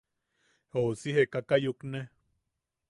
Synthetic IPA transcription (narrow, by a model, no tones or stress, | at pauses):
hosiɦekakajukne